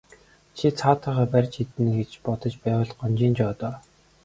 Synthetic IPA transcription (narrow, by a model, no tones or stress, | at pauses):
t͡ɕʰit͡sʰaːt̪aːʁaːpærʲt͡ɕʰxit̪ɘ̆nɡet͡ɕpɔt̪ɞ̆t͡ɕpæːwʊ̆ːɮɢɔnt͡ɕiːnt͡ɕɔːt̪ɔː